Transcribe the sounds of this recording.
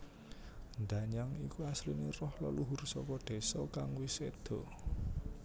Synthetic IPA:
nd̪aɲaŋikuaslinerɔhləluɦʊrsɔkɔd̪̥e̤sɔkaŋwised̪̥ɔ̤

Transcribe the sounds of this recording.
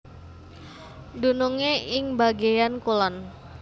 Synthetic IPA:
dunuŋeɪŋbaɡejankulɔn

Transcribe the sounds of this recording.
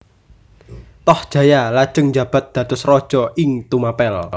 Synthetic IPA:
t̪ɔhd̥ʒ̥ä̤jalad̥ʒ̥əŋd͡ʒä̤b̥a̤t̪̚d̪̥ä̤t̪ʊsrɔd̥ʒ̥ɔɪŋt̪umapɛl

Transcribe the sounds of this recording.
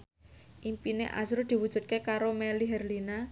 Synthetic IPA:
ʔimpinḛʔa̰sɾud̪̥i̤wud̥ʒ̥ṳt̪̚kekaɾomɛliɦɛrlina

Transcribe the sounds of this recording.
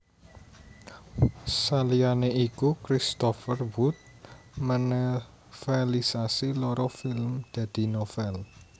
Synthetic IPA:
salianeikukɾist̪ɔfərwut̪̚ | mənɛ | fɛlisasilɔɾɔfilmd̪̥ä̤d̪̥i̤nɔfɛl

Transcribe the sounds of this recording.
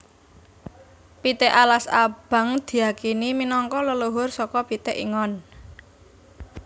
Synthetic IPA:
pit̪eʔalasa̰b̥ä̤ŋd̪̥i̤jakiniminɔŋkɔləloɦʊrsɔkɔpit̪eʔiŋɔn

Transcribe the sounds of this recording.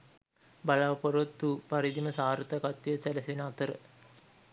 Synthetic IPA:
balaʋpoɾot̪ːupaɾid̪iməsaːɾt̪akat̪ːijəsæləsenəat̪əɾə̰

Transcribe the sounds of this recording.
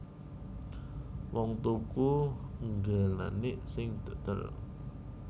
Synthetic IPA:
wɔŋt̪ukuŋɡala̰nɪʔsɪŋd̪̥o̤t̪ə̰r

